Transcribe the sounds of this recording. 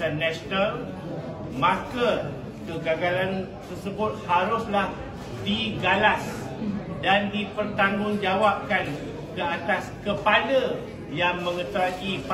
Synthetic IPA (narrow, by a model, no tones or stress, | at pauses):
anasnal | mãka | kəɡaɡalan | t̪ərsəbʊt̪̚haɾʊslah | diɡalas | dandipərt̪aŋɡʊŋd͡ʒawap̚kan | kəat̪askəpalə | jaŋmə̃ŋət̪aʔip